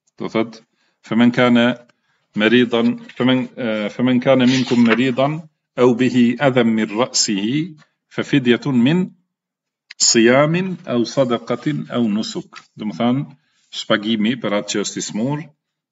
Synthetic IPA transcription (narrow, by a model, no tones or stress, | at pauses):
t̪ɑ̰θɑd̪ | famɪnkaːna | mɑɾiːd̪ˤɑnfamanfamankaːnamɪnkʊmːɑɾiːd̪ˤɑn | ʔawbɪhɪʔaðamːɪnɾˤɑʔsɪhɪ | fafɪd̪jamɪn | sˤɨjaːmɪnʔawsˤɑd̪ɑqɑʔawnʊsʊkd̪ʊmθan | ʃpaɡiːmipɑɾˤɑt̪ast̪ɪsmuːɾˤ